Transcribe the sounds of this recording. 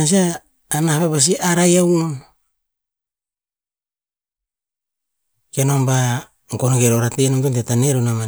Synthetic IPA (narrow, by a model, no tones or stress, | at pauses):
ans̬iaː | nahaβeβas̬iʔaɾajawnon | kenomba | ŋkonoɡeɾoɾatenomtuntetaneɾonama